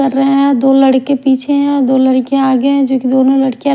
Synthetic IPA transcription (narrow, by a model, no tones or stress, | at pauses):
ɐɾːəɦẽɦɛ̃d̪oːlɐɽkẽpiːt͡ʃʰeɦɛ̃d̪oːlɐɽkeaːɡeɦɛ̃d͡ʒoːkid̪oːnõlɐɽkeã